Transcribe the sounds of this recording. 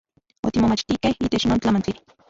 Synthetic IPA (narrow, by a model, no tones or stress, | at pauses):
o̰t̪imomat͡ʃt̪ikehiːt̪et͡ʃnoːnt͡ɬamant͡ɬi